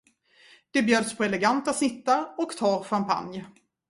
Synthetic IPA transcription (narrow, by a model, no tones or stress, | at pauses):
d̪̥ɛbjøːd̪spʰɔɛlɛɡant̪asnɪt̪ːaɾɔkt̪ʰɑːɾɧampʰa̰nj